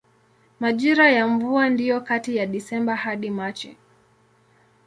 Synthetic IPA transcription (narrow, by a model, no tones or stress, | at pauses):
maʄiɾajaɱvuandijɔkatijaɗisɛmbahaɗimat͡ʃɛ̰